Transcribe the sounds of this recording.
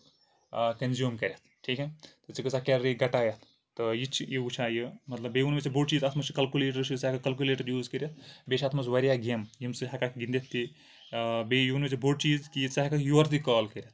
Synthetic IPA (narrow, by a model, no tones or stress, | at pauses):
kɐnzjuːmkɐɾʲjɐt̪ʰʈʰiːket̪ɨt͡sikɨsakʲeɾɾiɡɐʈaːjɐt̪ʰː | ɨjit͡ʃʰjiut͡ʃʰaːjɨmɐt̪lɐbeunmet͡sibʱoʈt͡ʃiːzɐt̪ʰmɐt͡ʃkɐlkuleːʈɐɾsʰisɐkakɐlkuleːʈɐɾjuːzkɐɾʲjɐt̪̚ʰbeʃʰat̪ʰmɐsʋɐɾijaːɡemjimsɨɦɐkakɡind̪it̪ʰːi | bejuunmet͡sibʱoːʈ̚t͡ʃiːzkit͡sɐɦɐkakjuɐɾt̪ikaːlkɐɾʲjɐt̪̚ʰ